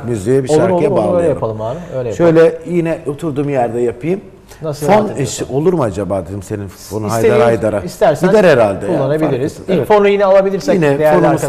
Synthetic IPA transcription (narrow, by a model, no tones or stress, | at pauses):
kmyzejɛbiʃak̪jɛbaløjɯlʲɛojaɾpalˠɯmaːɾøjlʲɛjaʃøjlʲɛjinɛot̪ʰuɾd̪uːmjæɾd̪ɛjapʰɯjɯm | nasfoniʃo̞lˠuɾumad͡ʒabaːd̪ed̪ʲimse̞ninfonunajd̪aɾɾajd̪aɾaist̪æɾsind̪ɛɾeɾalʲd̪ɛulˠːanabilʲiɾizzivɛfonujinɛalˠabilʲiɾsjɛinɛd̪jonuaɾmuz